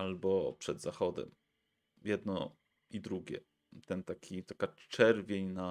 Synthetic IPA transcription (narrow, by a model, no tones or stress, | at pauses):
albɔpʂɛd̪zaxɔd̪ɛ̰m | jɛd̪nɔ | id̪ɾuɡʲɛ̰ | t̪ɛnt̪akʲʰit̪akat͡ʂɛɾvʲjeɲna